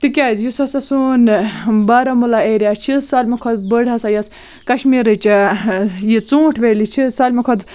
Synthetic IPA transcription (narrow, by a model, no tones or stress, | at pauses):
t̪ikʲazjusɐsɐsunbaːɾɐmulaeɾʲjat͡ʃʰisaːlʲmɐkʰod̪bəɽɐsajɐs | kɐʃmiɾɨt͡ʃajit͡sũːʈʰʋelʲit͡ʃʰisalʲmɐkʰɔd̪